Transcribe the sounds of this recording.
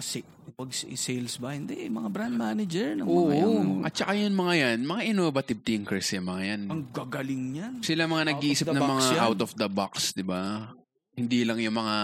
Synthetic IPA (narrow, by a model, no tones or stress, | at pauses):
ɐsɛ | pɐɡssɛjlsbɐhɪnd̪ɛmɐŋabɾand̪̚maːnɐd͡ʒɛɹnɐmoːʔoʔɐ̰t̪t͡ʃɐkajɐnmɐŋajanmɐŋaʔɪnovɐt̪ɪb̚t̪ɐjʊŋkɛsɛmɐŋajanɐŋɡɐɡɐlɪŋɲansɪlamɐŋanɐɡ̚ʔiːsɪnɐmmɐŋaʔawt̪ofd̪ɐbaksd̪ɪba | hɪnd̪ilɐŋjʊŋmɐŋa